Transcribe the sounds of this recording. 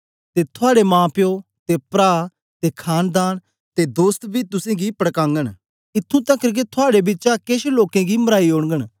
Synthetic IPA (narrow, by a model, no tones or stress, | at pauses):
t̪et̪ʰʊaːɽemãːpɪjo | t̪epɾaː | t̪ekʰaːnd̪aːñ | t̪ed̪oːst̪bʱiːt̪ʊsẽːɡipəɽkãːŋɡəɽ̃ | ɪt̪ʰːũt̪ɐkəɾk̬et̪ʰʊaːɽebɪːt͡ʃakeʃloːkẽɡimɐɾaːioːɽ̃ɡəɽ̃